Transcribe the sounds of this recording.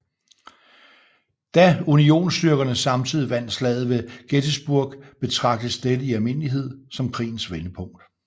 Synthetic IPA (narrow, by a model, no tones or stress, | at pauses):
d̥æunio̝̰ːnsd̥yɐɡ̥ɐnəsɑ̈mt͡sʰið̞̰ˠiʋæn̰d̥slɛ̰ːð̞̩ˠʋe̝ɡ̥ed̥əsb̥uɐ̰ɡ̥b̥e̝t͡sʰʁɑ̈ɡ̥̚d̥əsd̥ed̥əiælme̝n̰əliɦe̝ð̞̰ˠsɒ̽mkʰʁḭːn̩sʋenəpʰɔ̽ŋ̰d̥